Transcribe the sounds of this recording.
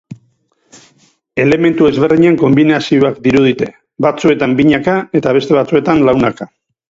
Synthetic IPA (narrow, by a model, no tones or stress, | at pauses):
e̞le̞me̞nt̪ue̞zβe̞ɾðiɲeŋko̞mbinasioakd̪iɾuð̞it̪e̞ | bat͡sue̞t̪ambiɲakae̞t̪aβ̞e̞st̪e̞βat͡sue̞t̪anlawnaka